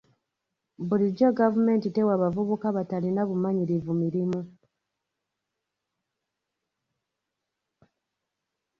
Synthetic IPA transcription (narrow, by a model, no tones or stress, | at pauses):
βuliɟoɡavume̞ːntite̞waβavuβukaβatalinaβumaɲiɾivumiɾimu